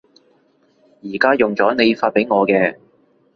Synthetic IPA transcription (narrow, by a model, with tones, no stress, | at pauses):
jiː˨˩kaː˥jʊ˨ŋt͡sɔː˨˥ne˨˧jfaː˧t̚pe˨˥jŋɔː˨˧kɛː˧